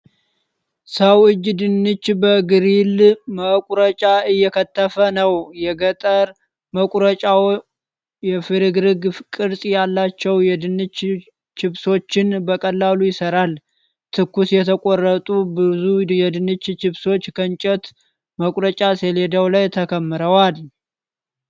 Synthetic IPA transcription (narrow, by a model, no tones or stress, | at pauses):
səwɨd͡ʒːd̪ɨnːɨt͡ʃːbəɡɨɾilməkʼɾət͡ʃʼaɨjːɛkʰət̪ʰːəfənəwjɛɡət̪ʼəɾ | məkʷʼɾət͡ʃʼaw | jɛfɨɾɨɡɾɨɡkʼɨɾsʼjalːat͡ʃːɛwjɛd̪ɨnɨt͡ʃ | t͡ʃɪβso̞t͡ʃːɪnbəkʼəlːalujɪsəɾal | t̪ʰɨkːusjɛt̪ʰəkʼorːət̪ʼubɨzujɛd̪ɨnɨt͡ʃːt͡ʃɪβso̞t͡ʃːkʰənt͡ʃʼɛt̪ | məkʼɾət͡ʃʼaseled̪əwlajt̪ʰəkʰəmːɨɾəwal